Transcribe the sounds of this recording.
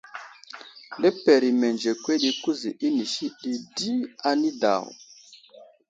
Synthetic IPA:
lɛ˦pe˨ɾi˨me˨nd͡ʒe˨kʷwe˦ɗi˦ku˦zi˨ʔi˦ni˨ʃi˦ɗi˨di˦a˨ni˦da̰˨w̰

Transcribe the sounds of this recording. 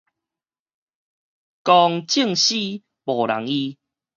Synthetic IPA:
kɔ˧ŋt͡ɕi˥˨ŋɕi˥˧˦ | bɔ˨˩la̰˨˦ŋi˧

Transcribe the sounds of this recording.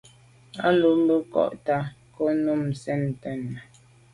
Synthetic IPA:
a˦lu˨˦m˦bə˦kɔ̰˦ʔta˦ko˦nu˦˨m̩˨sɛ˦˨n˨tɛ˦˨nːa˨

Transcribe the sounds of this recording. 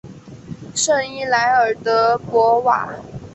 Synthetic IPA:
ʂɤ˥˩ŋi˥˩la˧˥ɪə˞˨˩t̪ə˧˦pwɔ˧˥wa̰˨˩˦

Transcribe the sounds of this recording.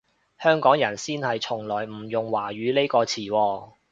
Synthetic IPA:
hœː˥ŋkɔː˨˥ŋjɐ˨˩nsiː˥nhɐ˨jt͡ʃʰʊ˨˩ŋlɔː˨˩jm̩ː˨˩jʊ˨ŋwaː˨˩ɥyː˨˧le˥jkɔː˧t͡sʰiː˨˩wɔː˧

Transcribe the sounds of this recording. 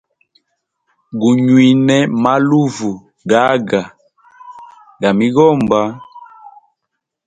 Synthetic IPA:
ɡu˨ɲwi˨nɛ˨ma˦lu˦vu˨ | ɡa˨˦ɡa˨ | ɡa˨mi˦ɣɔ˦˨mba˦

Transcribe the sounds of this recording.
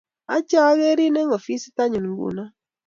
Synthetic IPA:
a̰˦t͡ʃa˦ɣe˦ɾi˦ne˦ŋo˨fi˦si̥˦ta˦ɲɨ˨n̩˨˦ɡṵ˦˨na˦

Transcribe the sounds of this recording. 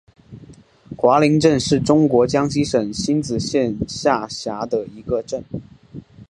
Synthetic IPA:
xwa˧˥li˧˥ŋʈ͡ʂə˥˧nʂɻ̩˥˩ʈ͡ʂʊ˥ŋkwɔ˧˥t͡ɕjɑ˥ŋɕi˥ʂə˨˩ŋɕi˥nt͡sɹ̩˨˩ɕjɛ˥˧nɕja˥˩ɕja˧˥d̪ə˧i˧˥ɡə˧ʈ͡ʂə˥˩n

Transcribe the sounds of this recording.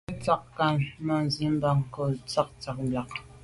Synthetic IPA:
t͡sa˦kka˨nmə˨n˨zi˨˦m̩˦ba˦˨ŋ˨kə˨t͡sa˦k̚t͡sa˨k̚ba˨k

